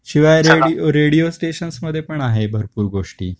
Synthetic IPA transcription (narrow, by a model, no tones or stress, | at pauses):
ɕiʋajɾeiɾeɽijosʈeɕənsməd̪ʱjepəɳaɦebʱəɾpuːɾɡoʂʈḭː